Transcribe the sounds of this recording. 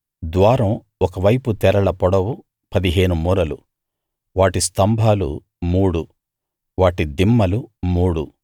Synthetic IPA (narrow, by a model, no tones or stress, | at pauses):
d̪ʋaːɾɐ̃w | ɔkɐʋɐjput̪ɛɾɐɭɐpɔɽɐwu | pɐd̪iɦe̞ːnumuːɾɐlu | ʋaːʈist̪ɐmbʱaːlṵ | muːɽu | ʋaːʈid̪imːɐlumuːɽu